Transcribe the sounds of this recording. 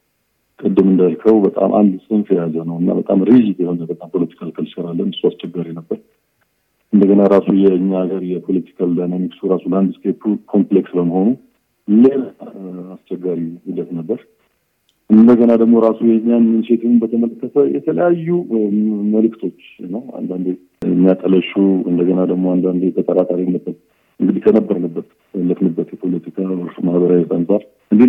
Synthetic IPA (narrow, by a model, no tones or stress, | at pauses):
kʼɨd̪ːɨmɨnd̪alkʰəwbət̪ʼa̰mʔa̰nd̪ɨsʼɨnfʰjazənəwɨnːa̰bət̪ʼa̰mɾed͡ʒit̪jɛho̞nəbət̪ʼampʰo̞lət̪ʰi̥kʰalkʰɨlsəɾalːənɨsːuast͡ʃɛɡːaɾinəbːəɾ | ʔɨnd̪əɡənaɾasujɛɨɲːaɡəɾjɛpʰo̞lət̪ʰi̥kʰald̪anamiksuɾasuland̪ɨskepkʰo̞mpleksbəməho̞nu | leɾast͡ʃɛɡːaɾihud̪ət̪nəbːəɾ | ʔɨnd̪əɡənad̪əɡmo̞ɾasujɛɲːamːɨnse̞t̪ʰɨnbət̪ʰəmələkːət̪ʰəjɛ̰t̪ʰələjajːu | məlɨkːt̪ʰo̞t͡ʃːnːəwa̰nd̪and̪e | ɨmːijat̪ʼələʃuɨ̰nd̪əɡənad̪əɡmo̞and̪and̪eb̪ət̪ʼəɾat̪ʼaɾinːəbət̪ | ɨŋɡɨd̪ikʰənəbːəɾnəbːət̪ | əlːəfnɨbːət̪jɛpʰo̞lət̪ʰikʰaɨɾmahbəɾajt̪ansʼaɾ | ɨnd̪e